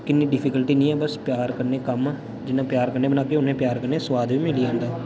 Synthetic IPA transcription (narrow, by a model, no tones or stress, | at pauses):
kɪnːiːɖɪpʰɪːkəlʈiːnĩːɛːbəspjaːɾkəɾneːkəm | d͡ʒɪnːãːpjaːɾkəɾneːbənaːkeːʊnẽːpjaːɾkəɾneːsəʋaːd̪ʋiːmɪliːãːnd̪aː